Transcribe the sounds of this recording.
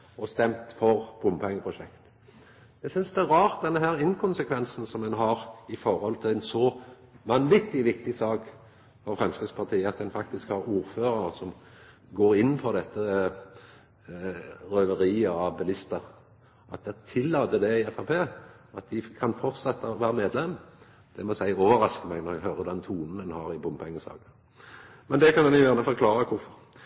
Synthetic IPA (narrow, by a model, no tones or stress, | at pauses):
ɔst̪ɛmt̪fɔʁb̥ʊmpʰɛŋːəpʰʁʊʃɛkt̪ | d̪̥ɛsʏnsd̪ɛæɾɑːʁt̪̚d̪ɛnːəɦæːɾɪnkʰʊnsəkʰʋɛnsn̩sɔmɛnɦɑʁɪfɔɾhɔlt̪ʰɪlæɪnsɔ | ʋɑnʋɪt̪ːɪʋɪk̚t̪ɪsɑːk | fɔɾfʁɑnskəspʰɑt̪ʰiːəɑt̪̚d̪ɛnfɑkt̪ɪskhɑɾuːɾføːɾəɾsɔm | ɡoːɾɪnːpʰɔd̪ɛt̪ːə | ʁœʋəɾiːəɑbɛlɪst̪əɾ | ʔɑt̪̚d̪ɛt̪ʰɪlːɑːt̪əd̪ɛɪɛfæpʰeː | ɑt̪̚d̪ɪkʰɑnfɔɾt̪sɛt̪ːəɔʋæːɾəmeːd̪lɛmː | d̪̥ɛmɔsæɪoːʋəɾɑskəmæɪnɔʁɛɡɦøːɾəd̪ɛnt̪ʰuːnn̩d̪ɛnhɑɾɪbʊmpʰɛŋːəsɑ̰ːkə | mɛnd̪ɛkʰɑnd̪ɛnjʊjæːʁnəfɔɾklɑːɾəkʰʊɾfɔɾ